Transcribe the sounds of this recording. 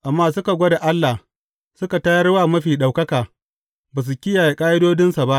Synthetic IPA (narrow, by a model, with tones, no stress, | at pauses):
ʔa˨mːaː˦sʊ˦ka˨ɡʷo˦da˨ʔa˦lːa˨h | sʊ˦ka˨tɐ˦jɐ˦rwaː˦˨mɐ˦ɸiː˨ɗa˨wkɐ˦kaː˨ | baː˨s̬u˨kʲɪ˦jaː˨je˨kʼaː˦jɪ˦doː˦dɪ˦nsa˨ba˦ʔ